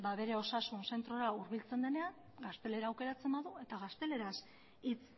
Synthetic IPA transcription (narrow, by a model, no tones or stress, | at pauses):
baβe̞ɾe̞o̞sasunse̞nt̪ɾo̞ɾauɾβilt͡se̞nd̪e̞ne̞an | ɡast̪e̞le̞ɾaːwke̞ɾat͡se̞mbaðue̞t̪aɣ̞ast̪e̞le̞ɾas | it͡s